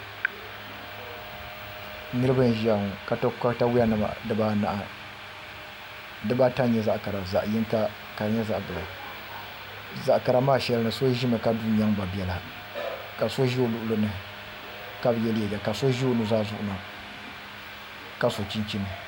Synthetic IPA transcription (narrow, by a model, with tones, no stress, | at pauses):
nɨ˦ɾɨ˦bɨ˦n˦ʒa˨ŋ˨ka˨ta˦ka˦ta˦wɪ˦a˦nɨ˨ma̰˨dɨ˦ba˦na̰˨ʔa˨ | dɨ˦ba˦ta˦ɲɛ˦za˦ʔka˨ɾa˨za˨ʔjɪ˦ŋka˦ | ka˨ɾɲɛ˦za˦ʔbɨ˨la˨ | za˨ʔka˨ɾa˨maː˦ʃɛ˦lnɨ˨so˦ʒi˦mɨ˨ka˦du˦ɲa˦ŋba˨bi˨ɛ˨la˨ | ka˨so˦ʒi˦o˦lʊ˨ʔʊ˦lɨ˦nɨ˦ | ka˦bjɛ˦ljɛ˨d͡ʒa˨ka˨so˦ʒi˦o˦nɨ˦zaː˦zʊ˦ʔʊ˨˦na˨ | ka˦so˨t͡ʃi˦nt͡ʃi˦nɨ˨